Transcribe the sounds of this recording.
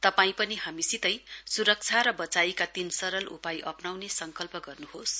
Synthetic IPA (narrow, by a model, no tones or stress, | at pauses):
t̪ʌpaĩpʌniɦamisit̪ʌjsuɾʌk̚t͡sʰaɾʌbʌt͡saikat̪insʌɾʌlṵpajʔʌpnawnesʌŋkʌlpʌɡʌrnuhos